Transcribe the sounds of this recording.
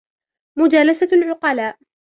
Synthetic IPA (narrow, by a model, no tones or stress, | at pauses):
mʊd͡ʒaːlasalʕʊqɑlaːʔ